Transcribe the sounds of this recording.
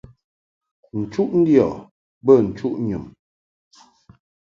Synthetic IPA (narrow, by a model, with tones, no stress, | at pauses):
n̩˨t͡ʃu˦ʔn̩˦djɔ˨ | bə˦˨n̩˨t͡ʃu˦ʔɲu˨m